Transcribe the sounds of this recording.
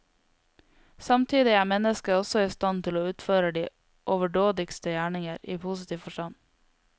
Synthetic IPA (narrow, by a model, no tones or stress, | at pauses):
sɑmt̪ʰiːd̪ɪæːmɛnəskəɔsɔiːst̪ɑnt̪ʰɪloːʉːt̪føːɾəɖiː | ʔɔʋəɖoːd̪ɪkst̪əjæːɳɪŋəɾiːpʰuːsɪt̪ʰiːʋfɔʃʈɑn